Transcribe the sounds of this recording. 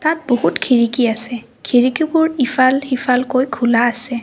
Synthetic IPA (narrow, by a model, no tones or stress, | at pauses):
tat̚bohutkʰiɹikiasɛ | kʰiɹikibʊɹifʰalhifʰalkojkʰulaːsɛ